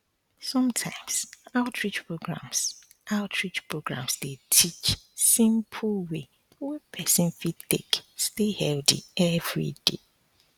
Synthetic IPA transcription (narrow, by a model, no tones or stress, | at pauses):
sɔ̃mtʰã̰ɪ̃msaʊtʰɹit͡ʃpʰɹoɡɹã̰ms | ʔaʊtʰɹit͡ʃpʰɹoɡɹã̰msdetʰit͡ʃsĩmpʰlwe | wɛpʰɛsɪ̃nfitḛkstehɛldḭɛvɹḭd̥ḛ